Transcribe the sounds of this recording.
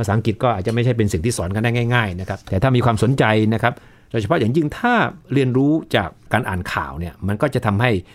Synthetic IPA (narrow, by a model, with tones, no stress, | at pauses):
pʰa˧saː˩˦a˨˦ŋki˨˩t̪̚kɔː˥˩ʔa˨˩t̪̚t͡ɕa˨˩ma˥˩jt͡ɕʰa˥˩jpe˧nsi˨˩ŋt̪ʰiː˥˩sɔː˩˦˥nka˧daː˥˩ŋaː˥˩jŋaː˥˩jna˦˥kʰa˦˥p̚t̪ɛː˨˩a˥˩miː˧kʰwaː˧mso˩˦nt͡ɕa˧jna˦˥kʰa˦˥p̚ | doː˧jt͡ɕʰa˧pʰja˨˩ŋji˧ŋt̪ʰaː˥˩ɾi˧ənɾuː˦˥t͡ɕa̰ː˨˩kːaː˧nʔa̰ː˨˩nkʰa̰ː˨˩wni˥˩ɐma˧nkɔː˥˩t͡ɕa˨˩t̪ʰa˧mha˥˩j